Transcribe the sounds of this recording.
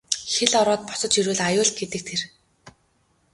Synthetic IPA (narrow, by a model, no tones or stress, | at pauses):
xeɮɔɾɔːt̪̚pɔ̥sɞ̆t͡ɕiɾŭːɮajʊːɮt̪̚ɡet̪ɘ̆k̚t̪ʰer